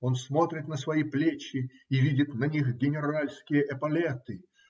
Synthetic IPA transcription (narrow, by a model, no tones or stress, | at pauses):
o̞nsmo̞t̪ɾʲɪt̪nəsvɐjiplʲet͡ɕːɪ | ivʲidʲɪt̪nɐnʲixɡʲɪnʲɪɾalʲskʲɪjəʔɛpɐlʲet̪ɨ